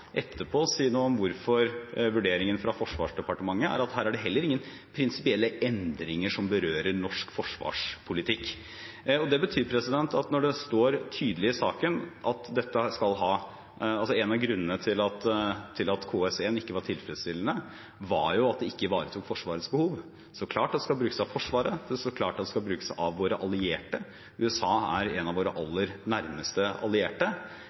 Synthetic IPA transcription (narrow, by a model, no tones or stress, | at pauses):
ʔɛt̪ʰːəpʰɔsiːnuːɔmʋʊɾfɔɾʋʉɖeːɾɪŋənfɾɑfɔʂʋɑ̰ːʂd̪ɛpɑʈəmɑŋːəæ̰ɾɑt̪ɦæːɾæɖɛɦɛlːəɾɪŋːən | pʰɾɪnsɪpɪɛlːəɛnd̪ɾɪŋəʂɔmbəɾøːɾəɾnɔʂkfɔʂʋɑ̰ːʂpʰʊlɪt̪ʰɪkː | ɔd̪ɛbət̪ʰyːɾpʰɾɛsɪd̪ɛnt̪ɑt̪nɔɖɛst̪oːɾt̪ʰyːd̪əlɪɪsɑːkənʔɑt̪d̪ɛt̪ːəskɑlɦɑː | ɑlsɔɛnɑʋɡɾʉnːənət̪ʰɪlɑt̪t̪ʰɪlɑt̪kʰoːɛsɛnɪkːəʋɑʈʰɪlfɾɛt̪st̪ɪlːən̩ə | ʋɑ̰ɾjʊɑt̪̚d̪ɛɪkːəʋɑːɾət̪ʰuːkfɔʂʋɑːɾət̪sbəhuːʋ | sɔkʰlɑːʈɑd̪ːɛskɑlbɾʉːkəsɑʋfɔʂʋɑːɾəd̪ɛsɔklɑːʈɑd̪ːɛskɑbɾʉːkə̥sæɪʔɑʋʋoːɾəʔɑlɪeːʈə | ʉːɛsɑːæ̰ɾɛnɑʋoːɾəʔɑ̰lːəɾnæɾməst̪əɑ̰lɪeːʈə